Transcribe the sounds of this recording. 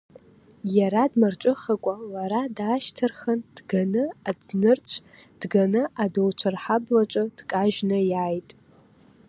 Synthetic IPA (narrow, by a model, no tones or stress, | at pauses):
jaɾadmart͡ʃʷʼɨχakʷʼalaɾadaːʃtʰɨrxɐnd̥ɡanɨad͡znɨrt͡ɕʷʰ | d̥ɡanɨʔadowt͡ʃʷʰarħablat͡ʃʷʼɨd̥kʼaʒnɨjaːjtʼ